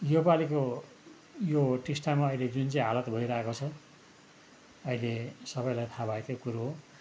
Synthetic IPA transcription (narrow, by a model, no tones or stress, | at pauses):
jobaliko | joʈisʈamaʌiled͡zunt͡saĩɦalʌt̪bʱʌiɾʌekot͡sʰʌ | ʌilesʌbʌjlajt̪ʰabaekokuɾoɦo